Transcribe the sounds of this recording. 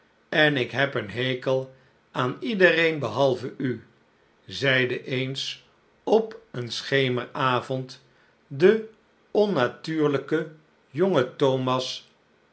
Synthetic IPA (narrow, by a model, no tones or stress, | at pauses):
ɛnɪkɦɛpənɦejkəlˠ | aːnidərejnbəɦɑlˠvəʔy | zɛjdəʔejns | ɔpənsχejməɹaːvɔnt | də | ɔnatyːɹləkə | joŋətowmɑs